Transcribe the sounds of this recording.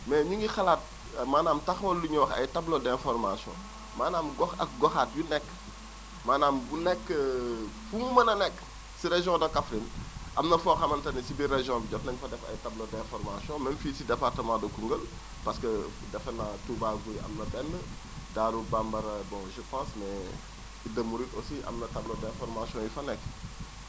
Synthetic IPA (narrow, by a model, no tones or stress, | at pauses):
mɛɲuŋɡixɐlat̚ | maːnaːmtɐxɔlːuɲuwɐxɐ̰jtɐblɔdɛ̃fɔrmasjɔ̰̃ | maːnaːmɡɔxɐ̰k̚ɡɔxaːt̚junɛkː | maːnaːmbunɛkːəfuŋmɐnɐnɛkː | siɾeʒjɔ̃ːdɐkɐfɾinʔɐmnɐfɔxɐmɐntɐnisibiɾeʒjɔ̃biɟɔt̚nɐɲfɐdɛfɐ̰jtablodɛ̃fɔɾmasjɔ̃ːmɛnfiːtidɛpartəmãːdokuŋɡəl | pɐskə | dɛfɐnatubaɡuɾiʔɐ̰mnɐbɛnːə | daːɾubambɐɾɐbɔ̃ʒəpãːsmɛ | idɐmuɾitosiʔɐ̰mnɐtɐblodɛ̃ːfɔɾmasiɔ̃ːjufɐnɛkː